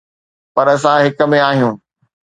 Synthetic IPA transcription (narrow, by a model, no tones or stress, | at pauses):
pɐɾɐs̬ãɦɪkə̆mẽaːɦijũː